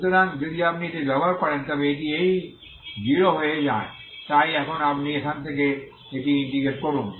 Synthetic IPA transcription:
t̪oɾand͡ʒəd̪iap̚nit̪eɡɐbaɾpɐɾent̪ɔbeeʈiei | d͡ʒiɾoɦoed͡ʒa̰ːḛ̃ | t̪aːiɛkʰonapniekʰant̪ʰeke | eʈiɪ̃ɳʈiɡeʈkɔɾun

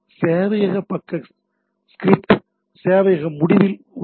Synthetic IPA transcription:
seːʋɐjɐɣɐpːɐkːɐ | skɾɪpʈ | seːʋɐjɐɣɐmʊɽɪʋɪl

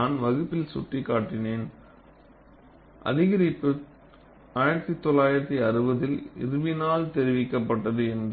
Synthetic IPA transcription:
aːnʋɐɣɯpːɪlsʊ̰ʈrikːaːʈːɪneːn | ʔɐ̰ðɪɣɐɾɪpːɯ | aːjɪɾɐt̪ːit̪ːɔlːaːjɪɾɐt̪ːiɐrɯbɐðɪlɪ̰ɾɯʋɪnaːlt̪ɛɾɪʋɪkːɐpːɐʈːɐðɯɛnd

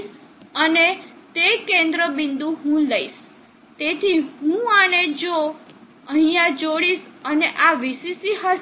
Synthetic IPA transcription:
ənet̪ekẽnd̪ɾəbind̪uɦũləis | t̪et̪ʰiɦũaned͡ʒo | əɦĩjãd͡ʒoɽisəneʔaʋisisiɦə

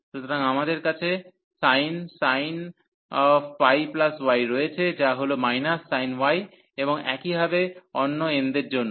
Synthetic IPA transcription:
ʃut̪ʰoɾaŋamad̪eɾkat͡ɕʰe | sajnsajn | wajplaswajɾojet͡ɕʰed͡ʑaɦolomajnasːajnwaj | eboŋɛ̰kibʱabeɔnːoend̪eɾd͡ʑonːo

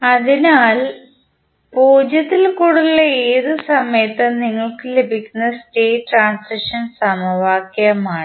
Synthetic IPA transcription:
ɐðinaːl | puːd͡ʑjɐt̪ːilkuːɽulːɐeːðɨsɐmɐjɐt̪ːɐniŋːɐɭkɨlebʱikʲːunːɐsʈe̞ːʈraːnsɐʂɐnsɐmɐʋaːkːjɐɐmaːɳi

